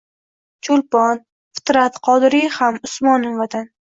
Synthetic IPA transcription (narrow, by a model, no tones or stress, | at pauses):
t͡ʃʰolpɒn | fɪ̥t̪ɾat̪qʰɒd̪ɾihamʊsmɒnɪvat̪ʰan